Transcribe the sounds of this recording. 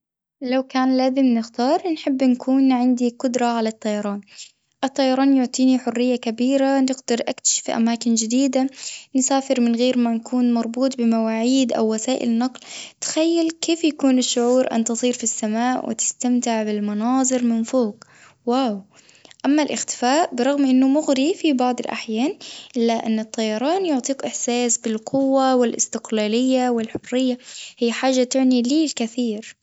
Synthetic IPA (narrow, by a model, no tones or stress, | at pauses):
lawkaːnlaːzɪmnɪxt̪ɑːɾˤnħɪbːnkʰuːnʕɪnd̪iqʊd̪ɾˤɑʕalat̪ˤːɑjɑɾˤɑːn | ʔɨt̪ˤːɑjɑɾˤɑːnjʊʕt̪ˤiːniħʊrːɪjːakabiːɾanɪɡd̪ɑɾʔakt̪ḁʃɪ̥fiʔa̰maːkɪnd͡ʒɪd̪iːd̪ansaːfɪɾmɪnɣeːɾmanakuːnmɑɾˤbuːt̪ˤbɪmawaːʕiːd̪ʔa̰wːasaːʔɪ̰lnɑqlt̪xajːalkeːfjakuːnɪʃːʊʕuːɾʔa̰nt̪ɨsˤiːɾfisːamaːʔwʔɪ̰t̪ɪ̥st̪amt̪ɪʕbɪlmɑnɑːðˤɨɾmɪnfoːk | waːw | ʔamːalʔɪxt̪ɪ̥faːʔbɨɾˤɑɣmʔɪnːʊmʊɣɾifibɑʕd̪ˤɨlʔa̰ħjaːnʔɪlːaʔɪnːɨt̪ˤːɑjɑɾˤɑːnjʊʕt̪ˤiːkʔɪħsaːsbɪlqʰʊwːawɪlʔɪ̰st̪ɪqlaːlɪjːawɪlħʊrːɪjːahijːħaːʒːat̪ɪʕniliːlkɪθiːɾ